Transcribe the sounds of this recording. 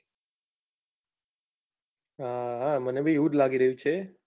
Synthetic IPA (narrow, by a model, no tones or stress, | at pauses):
ɦaɦamənebʱiuʈlaɡiɾəɦjũt͡ʃʰe